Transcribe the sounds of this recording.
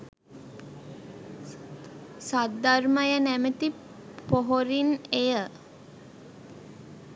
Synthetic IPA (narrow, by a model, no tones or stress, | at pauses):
sat̪̚d̪arməjənæmət̪i | poɦoɾinejə